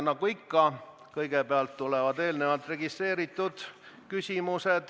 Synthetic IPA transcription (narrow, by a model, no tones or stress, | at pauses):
nɑɡ̥uikːɑ | kɤjɡ̥epeɑlt̪ːulevɑd̪e̞ːlne̞vɑlt̪ˑre̞ɡist̪re̞ːɾit̪ˑːud̪̥ | kysʲimused̪̥